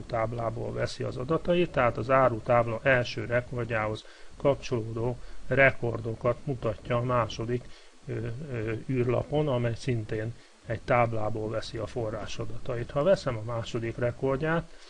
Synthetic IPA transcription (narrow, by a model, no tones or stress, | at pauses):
ut̪aːblaːbo̰ːlvɛsiɒ̰zɒd̪ɒt̪ɒjit̪ːɛɦaːt̪ɒzaːɾut̪aːblɒʔɛlʃøːɾɛko̞rɟaːɦo̞s | kɒpt͡ʃo̞loːd̪oːrɛko̞rd̪o̞kɒt̪mut̪ɒcːɒːmaːʃo̞d̪ik | yːrlɒ̰po̞nɒmɛjsint̪eːn | ɛɟt̪aːblaːboːlvɛsiɒforːa̰ːʃɒd̪ɒt̪ɒjit̪hɒvɛsɛmɒmaːʃo̞d̪ikrɛkorɟaːt̪